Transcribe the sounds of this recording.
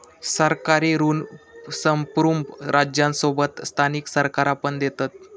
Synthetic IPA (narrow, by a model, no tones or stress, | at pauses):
səɾkaɾeɾuːnsəmpɾumbɾʔad͡ʑjãnsobət̪st̪ʰaniksəɾkaɾapəɳd̪et̪at̪̚